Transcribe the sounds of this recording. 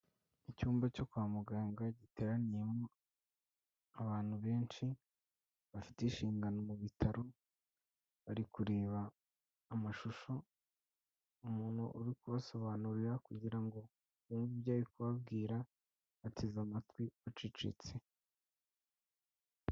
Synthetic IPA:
icuːmbaco̞kwaːmuɡaːŋɡaɟite̞ːɾanije̞mo̞ | aβaːn̥huβe̞ːnʃi | βafi̥teʃiːŋɡano̞muβitʰaɾo̞ | βaɾikuɾe̞ːβaː | maʃuʃo̞ | umuːn̥huʔṵɾikuβaso̞βanuɾiɾakuɟiɾaŋɡo̞ | uːmviβjaːjikuβab̚ɡiːɾa | atʰizamatkwiβat͡ʃit͡ʃḭt͡se

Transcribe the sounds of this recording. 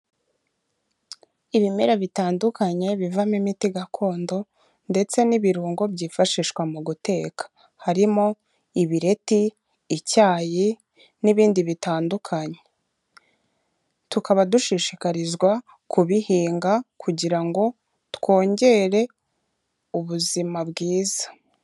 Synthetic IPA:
iβime̞ɾaβitaːndukaɲe̞βivamimitiɡakʰo̞ːndo̞ | nde̞t͡se̞niβiɾuːŋɡo̞bɟiːfaʃiʃkwamuɡute̞kḁ | haɾimo̞ | iβiɾe̞tiː | caːji | niβiːndiβitaːndukʰaɲe | tukaβaduʃiʃikaɾizɡwa | kuβihiːŋɡakʰuɟiɾaŋɡo̞ | two̞ːɲɟe̞ɾe̞ | uβuzimabɡiːzḁ

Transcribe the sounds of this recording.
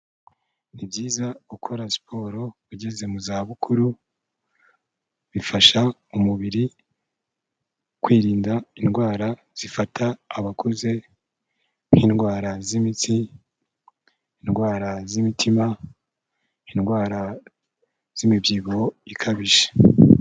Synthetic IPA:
nibjiːzaukʰoɾasi̥pʰoɾo̞βuɟeze̞muzaːβukʰuɾu | βifaʃaumuβiɾi | kwiːɾiːndainɡwaːɾa | z̥ifatʰaːβakʰoze̞ | ŋ̥hinɡwaːɾazimitʰi | inɡwaːɾazimitʰima | inɡwaːɾa | z̥imibɟiːɡoikʰaβiʃe̥

